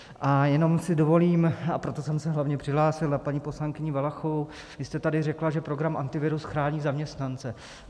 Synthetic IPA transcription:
ʔajɛno̞msɪdo̞vo̞liːmapɾo̞t̪o̞sɛmsɛɦlavɲɛpr̥ɪɦlaːsɪlapaɲipo̞slaŋkɪɲɪvalaxovow | vɪst̪ɛt̪adɪrɛklaʒɛpɾo̞ɡɾamʔant̪ɪvɪɾusxɾaːɲiːzamɲɛst̪nant͡sɛ

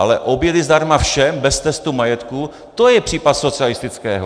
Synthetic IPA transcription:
ʔa̰lɛʔo̞bjɛd̪ɪzd̪aɾmafʃɛmbɛst̪ɛst̪umajɛt̪ku | t̪ojɛpr̥iːpat̪sot͡sɪalɪst̪ɪt͡skɛ̰ːɦo

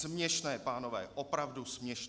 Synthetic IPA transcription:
mɲɛʃnɛːpaːno̞vɛ̰ːʔopɾavdusmɲɛʃ

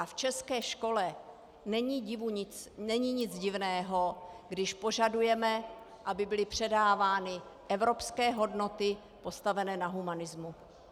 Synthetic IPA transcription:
aft͡ʃɛskɛːʃko̞lɛ | nɛɲiːɟɪvuɲɪt͡snɛɲiːɲɪd͡zɟɪvnɛːɦo̞ɡdɪʃpo̞ʒadujɛmɛ | ʔabɪbɪlɪpr̝̥ɛdaːvaːnɪʔɛvɾo̞pskɛːɦo̞dno̞t̪ɪ | po̞st̪avɛnɛːnaɦumanɪzmu

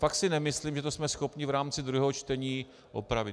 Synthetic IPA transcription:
faksɪnɛmɪsliːmʒɛt̪osmɛsxo̞pɲɪvɾaːmt͡sɪd̪ɾuɦɛɦot͡ʃt̪ɛɲiː | ʔo̰pɾavɪt

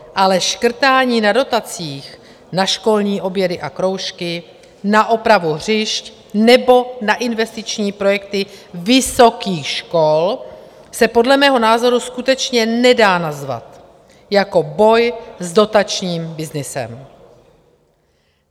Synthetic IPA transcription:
ʔalɛʃkr̩t̪aːɲiːnado̞t̪at͡siːx | naʃko̞lɲiːʔo̞bjɛdɪʔakɾo̞wʃkɪ | naʔo̞pɾavuɦr̝ɪʃc | nɛbo̞naʔɪnvɛst̪ɪt͡ʃɲiːpɾo̞jɛk̚t̪ɪvɪso̞kiːxʃko̞l | sɛpo̞dlɛmɛːɦo̞naːzo̞ɾuskut̪ɛt͡ʃɲɛnɛdaːnazva̰t̪ | jako̞bo̞jzdo̞t̪at͡ʃɲiːmbɪznɪsɛ̰m

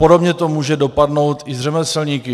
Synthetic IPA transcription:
podobɲɛt̪omuːʒɛdo̞padno̞wt̪ɪzrɛmɛsɛlɲiːkɪ

